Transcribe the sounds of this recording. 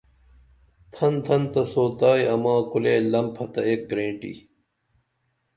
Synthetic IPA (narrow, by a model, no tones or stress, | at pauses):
t̪ʰɐnt̪ʰɐnt̪ɐsoːt̪aːjɐmãːkuleːlɐmpʰɐt̪ɐeːk̚ɡɾẽːɳʈḭ